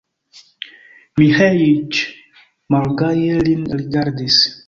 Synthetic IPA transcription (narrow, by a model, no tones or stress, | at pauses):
mihait͡ʃ | malɡajelinɾiɡaɾdis